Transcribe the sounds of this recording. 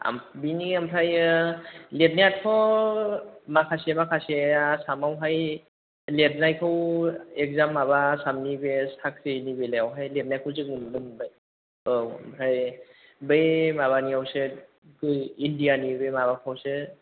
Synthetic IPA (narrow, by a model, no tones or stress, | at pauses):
a̰mbiniampʰaj | let̚nijat̚kʰɔ | makʰasemakʰaseasamawɦaj | let̚najkʰawek̚zamːabasamnibesak̚ʰsenibelaawɦajlet̚najkʰɯwzɯk̚mɯndɯmbaj | oa̰mpʰɾaj | bejmaβaniawsɯ | ɡɯindianibejmaβakʰawsɯ